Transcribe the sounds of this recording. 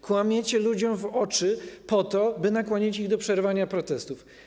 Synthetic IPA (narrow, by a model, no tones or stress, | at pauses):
kwamʲjet͡ɕɛlud͡ʑɔ̃mvɔt͡ʂɘpɔt̪ɔbɘnakwɔɲet͡ɕiɣd̪ɔpʂɛɾvaɲapɾɔt̪ɛst̪uf